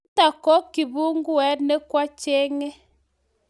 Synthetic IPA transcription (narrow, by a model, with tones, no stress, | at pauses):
ta˨kɔ˦kːi˨bu˦ŋɡu˦ɛ˨˦tnɛ˦kwa˦t͡ʃe˦ŋe˦